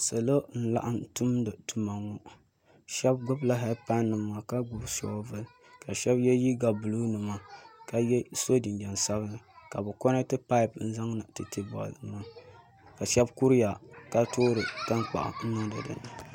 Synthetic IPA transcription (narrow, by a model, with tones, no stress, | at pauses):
so˨lo˦n̩˦la̰˨ʔa˦ntu˦mdɨ˨tu˨ma˨ŋːɔ˦ | ʃɛ˦bɡʊ˦bla˦ɦɛ˦pa˦nːɨ˨mːa˨ka˦ɡʊ˦bsɔ̰˨˦vɨ˦ | ka˨ʃɛ˦bjɛ˦ji˦ɡa˨bu˨lu˦nɨ˨ma˨ka˨jɛ˦so˦di˨nd͡ʒɛ˨nsa˦βɨ˦nɨ˨ka˨bɨ˨kɔ˦nɨ˦tɨ˦pa˦ɪ˨pn̩˦za˦ŋna˨tɨ˨ti˦bɔ̰˨lma˦ | ka˨ʃɛ˦bku˦ɾi˦ja˨ka˦toː˦ɾɨ˨ta˦ŋk͡pa̰˨ʔa̰˨n̩˦nɨ˦dɨ˨dɨ̰˨n˨